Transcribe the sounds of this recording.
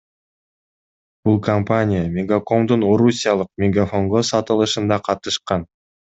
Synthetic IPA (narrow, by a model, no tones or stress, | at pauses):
b̥ulˠkɐmpanʲɪjamʲɪɡako̞md̪uno̞ɾusʲijalˠɯq̚mʲɪɡafo̞ŋɡosɑt̪ɯlˠɯʃɯnd̪ɑqʰɑt̪ɯʃqɑn